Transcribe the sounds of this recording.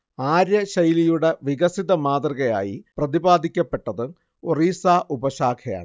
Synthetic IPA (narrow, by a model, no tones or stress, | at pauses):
aːɾjɐɕɐjilijuɽeʋiɣɐsiðɐmaːd̪rɐɣɐja̰ːjḭprɐðibaːd̪ʱikʲːɐpːe̞ʈːɐðɨ | oriːsaːʔubɐɕaːkʰɐja̰ːɳɨ